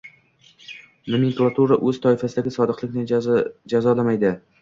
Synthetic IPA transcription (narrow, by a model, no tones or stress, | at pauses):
nʊmɪŋklˠat̪ʰuɾaʔɵz̥t̪ʰɒɪfasɪd̪aɡʲɪsɒd̪ɨqlˠɪkʲnɪd͡ʒazɒlamajd̪ɪ